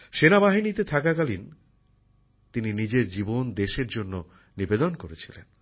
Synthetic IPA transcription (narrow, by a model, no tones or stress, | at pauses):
ʃenabaɦinit̪et̪ʰakakalin | t̪ininid͡ʑeɾd͡ʑibond̪eʃeɾd͡ʑonːo | nibed̪onkoɾet͡ɕʰilḛn